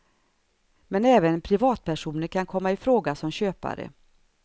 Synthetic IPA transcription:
mɛnɛːvənpʰɾɪvɑːt̪̚pʰæʂuːnəɾkʰankʰɔmːaɪfɾoːɡasɔmɕøːpa̰ɾə̰

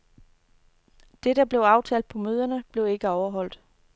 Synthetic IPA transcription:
d̥e̝d̥ɑ̈b̥le̝ʊɑ̈ʊt͡sʰɛ̰ːld̥pʰɒ̽møːð̞ˠɐnəb̥le̝ʊe̝ɡ̥əɒʊɐɦɒ̽l̰d̥

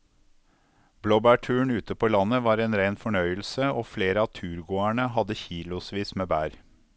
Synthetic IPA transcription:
bloːbæːʈʰʉːɳʉːt̪əpʰoːlɑnəʋɑːɾeːnɾæɪnfɔɳœʏəlsəʔoːfleːɾəɑːt̪ʰʉːɾɡoːæɳəhɑd̪əçiːlʊsʋiːsmeːbæːɾ

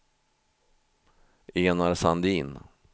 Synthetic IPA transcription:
eːnaɾsand̪iːn

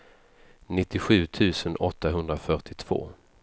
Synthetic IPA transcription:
nɪt̪ːɪɧʉ̟ːt̪ʰʉ̟ːsənɔt̪ːaɦɵnd̪ɾafœʈɪt̪ʰv̥o̰ː

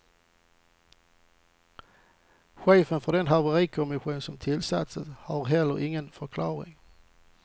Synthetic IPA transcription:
ɧeːfənfɔd̪ɛnhɑʁʋəʁiːkʰʊmɪɧuːnsɔmt̪ʰɪlsɑ̰t̪səshɑːʁhɛləʁɪŋənfɔkʰlɑːʁɪ̰ŋ

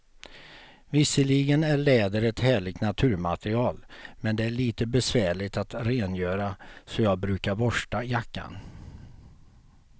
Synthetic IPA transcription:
vɪsːəɭiɡənæɭɛːd̪əɾɛt̪hæːɭɪɡ̚t̪nat̪ʰʉ̟ːɾma̰t̪ɾɪɑːlmɛnd̪ɛæɭiːt̪əbɛsvæːɭɪt̪at̪ɾeːnjøːɾasɔjɑːɡ̚bɾʉ̟ːkaɾbɔʂʈajakːa̰n

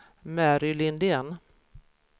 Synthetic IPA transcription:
mæɾʏlɪnd̪eːn

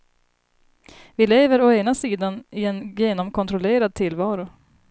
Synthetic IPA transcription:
vɪleːvəɾɔeːnasiːd̪anɪɛnjeːnɔmkʰɔnt̪ɾɔleːɾad̪̚t̪ʰɪlvɑːɾʊ

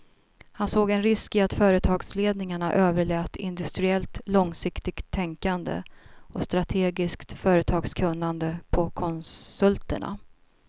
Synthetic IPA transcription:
hansoːɡɛnɾɪskɪat̪fœːɾət̪ʰɑːɡsleːd̪nɪŋaɳaʔøːvəɭɛːt̪ɪnd̪ɵst̪ɾɪɛlt̪lɔŋsɪkt̪ɪɡt̪ʰːɛŋkand̪ə̰ɔst̪ɾat̪ʰeːɡɪskt̪fœːɾət̪ʰɑːɡskʰɵnːand̪əpʰɔkʰɔnsɵlt̪əɳa̰

